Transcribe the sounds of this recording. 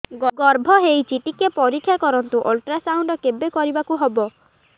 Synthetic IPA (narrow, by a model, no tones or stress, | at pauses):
ɡɔɡɔɾbʱɔɦejt͡ʃiʈikepɔɾikʰːjakɔɾɔnt̪uʔolʈɾasawɳɖɔkebekɔɾibakuɦebɔ